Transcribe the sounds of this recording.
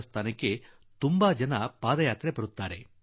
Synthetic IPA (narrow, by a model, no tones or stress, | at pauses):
st̪aːnɐke | t̪umbaːd͡ʒɐnɐpaːd̪ɐjaːt̪ɾepɐɾut̪ːaːɾe